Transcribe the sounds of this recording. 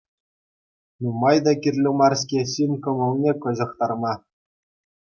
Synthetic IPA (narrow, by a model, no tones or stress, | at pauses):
numɑjd̪ɑkʲirʲlʲɘ̆mɑrskʲeɕinʲkɤ̆mɤ̆lˠnʲekɤ̆ʑɤ̆χt̪ɑrmɑ